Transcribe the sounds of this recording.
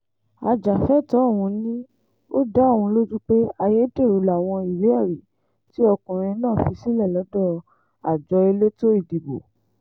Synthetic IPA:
a˧d͡ʒa˨fɛ˦˨tɔ˨˦˨wũ˧nĩ˦ | o˦da˦˨wũ˧lo˦d͡ʒũ˦k͡pe˦a˧je˦de˦˨ɾu˨˦la˨w̃ɔ̃˧i˨le˨˦ɛ˦˨ɾi˨ | ti˦ɔ˧kũ˨ɾ̃ĩ˧˦nãː˦˨fi˧si˦lɛ˦˨lɔ˨˦dɔ˦˨ | a˨d͡ʒɔ˨˧e˧le˦to˦i˦˨di˨ɡ͡bo̰˨

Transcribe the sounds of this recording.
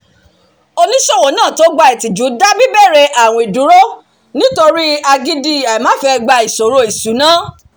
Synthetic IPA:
o˧nĩ˦ʃɔ˦˨wo˨˦nãː˦˨to˨˦ɡ͡ba˧i˨ti˨d͡ʒu˨˦da˦bi˦bɛ˦˨ɾɛ˧ʔa˨wɔ̃˧i˨du˨˦ɾo˦ | nĩ˦to˧ɾi˦a˧ɡi˦di˦a˨mãː˨˦fɛ˧ɡ͡ba˧i˨so˨ɾo˧˦i˨su˨˦nãː˦

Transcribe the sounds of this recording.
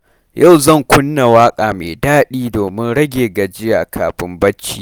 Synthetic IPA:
ja˦˨wzɐ˦˨ŋkʷʊ˦nːa˨waː˦kʼaː˨mḛː˨daː˦ɗiː˦doː˨mɪ˦nɽɐ˦ɡʲeː˨ɡɐ˨d͡ʒɪ˦ja˨kʰa̰ː˨ɸɪ˦mbɐ˦t͡ʃːḭː˦˨

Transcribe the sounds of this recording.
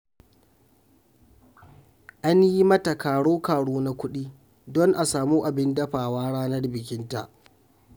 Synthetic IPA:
ʔa˦nji˦mɐ˦ta˨kaː˨ɽoː˦kaː˨ɽoː˦na˦kʷʊ˦ɗiː˦ | dɔ˦ŋʔa˨saː˨muː˦ʔa˨bɪ˦ndɐ˦ɸaː˨waː˦ɽaː˦nɐ˦rbɪ˨kʲɪ˦nta̰˨ʔ

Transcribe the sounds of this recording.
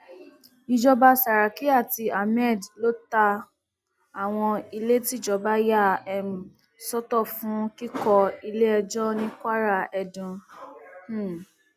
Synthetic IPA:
i˧d͡ʒɔ˧ba˧sa˨ɾa˨ki˨˦a˦˨ti˧a˨mɛ˦˨dlo˦ta˧ | a˨w̃ɔ̃˧i˧le˦ti˦˨d͡ʒɔ˨˦ba˦ja˦˨ɛ˦˨m˨ | sɔ˦tɔ˦˨fũ˦ki˦kɔ˧i˧le˦ɛ˧d͡ʒɔ˦nĩ˦kʷa˦ɾa˦˨ɛ˧˨dũ˨˦˨

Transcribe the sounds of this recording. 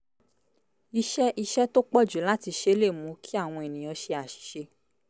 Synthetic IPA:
i˧ʃɛ˦ʔi˧ʃɛ˦to˦k͡pɔ˦˨d͡ʒu˨˦la˦ti˧ʃe˧˦le˦˨mũ˨˦ki˦a˦˨w̃ɔ̃˧e˨nĩ˨j̃ɔ̃˧˦ʃe˧a˨ʃi̥˨˦ʃe˧˦

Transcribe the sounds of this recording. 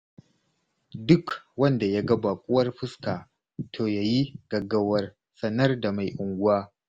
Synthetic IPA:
dʊ˦kwɐ˦nda˨ja˦ɡɐ˦baː˨kʷʼʊ˦wɐ˦rɸɪ˦skaː˨ | tʰoː˨jaː˨ji˦ɡ̥ɐ˨ɡɐ˦wɐ˦r | sɐ˦nɐ˦rda˨ma˨jʔʊ˨ŋɡʷʊ˦waː˦

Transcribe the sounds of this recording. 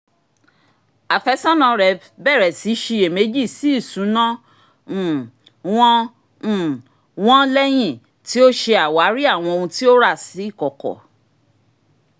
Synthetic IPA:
a˨fɛ˧˦sã˦nã˧ɾɛ˨˦ | bɛ˦˨ɾɛ˨si˨˦ʃi˧e˨me˨˦d͡ʒi˦˨si˨˦i˦˨sũ˨˦nã˦˨ | w̃ɔ̃˦˨ | w̃ɔ̃˦lɛ˦j̃ĩ˦˨ | ti˦o˦ʃe˧a˨wa˨˦ɾi˦a˦˨w̃ɔ̃˧o˧ũ˧ti˦o˦ɾa˦˨si˨˦i˦˨kɔ˨kɔ̰˨

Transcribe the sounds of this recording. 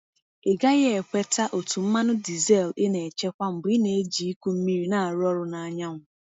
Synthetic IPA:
ɪ˨ɡa˦ɣe˦e˨kʷe˦tʰa˦ʔo˨tu˨m̩˦ma˦nʊ˦di˨ze˦˨lɪ˦ne˨t͡ʃe˦kʷa˦m̩˨bi˦ne˨e˦d͡ʒi˨i˦kʷu˦m̩˦mi˦ɾi˦na˨a˨ɾʊ˦ɔ˦ɾʊ˨na˨a˨ɲa˦ŋʷʊ˦˨

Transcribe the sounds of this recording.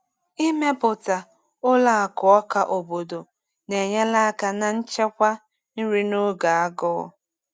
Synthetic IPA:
i˦me˦pʊ˨ta˨ | ʊ˦la˨a˨kʊ˨ɔ˦ka˨ʔo˨bo˨do˨ | ne˨ɲa˦la˦a˦ka˨na˨n̩˦t͡ʃe˦kʷa˦ | n̩˦ɾi˦no˦ɡa˨a˦ɡʊ̰˦

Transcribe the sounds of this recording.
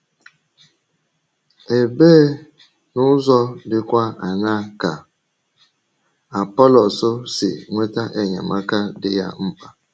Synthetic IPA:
e˨beː˦ | nʊ˦zɔ˦dɪ˦kʷa˦a˨ɲa˦˨ka˨ | a˨pɔ˦lɔ˨sʊ˦sɪ̰˨ŋʷe˦ta˦ʔe˦ɲa̰˨ma˦ka˦dɪ˦ja̰˦m̩˦pa˦

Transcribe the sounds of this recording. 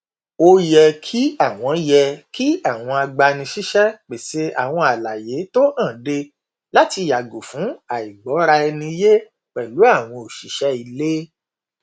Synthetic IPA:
o˧jɛ˧kʰi˦a˦˨w̃ɔ̃˧jɛ˧ki˦a˦˨w̃ɔ̃˧a˧ɡ͡ba˧nĩ˧ʃi˦ʃɛ˦k͡pe˨se˨˦a̰˦˨w̃ɔ̃˧a˨la˨je˨˦to˦nã˦˨de˧ | la˦ti˧ja˨ɡo˨fũ˨˦a˨i˨ɡ͡bɔ˨˦ɾa˧ɛ˧nĩ˧je˦ | k͡pɛ˨lu˨˦a˦˨w̃ɔ̃˧o˨ʃi˨˦ʃɛ˦i˧le˦

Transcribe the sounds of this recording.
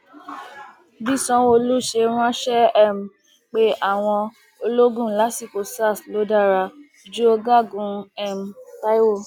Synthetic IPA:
bi˦sɔ̃˦wo˧lu˦˨ʃe˧ɾ̃ã˦ʃɛ˦ɛ˦˨m̩˨ | k͡pe˨˦ʔa˦˨w̃ɔ̃˧ | o˧lo˦ɡũ˦˨la˨˦si˦˨ko˨sa˦˨tlo˨˦da˦˨ɾa˧ | d͡ʒu˦o˧ɡa˦˨ɡũ˧ɛ˦˨m̩˨ta˦i˦wo˦˨

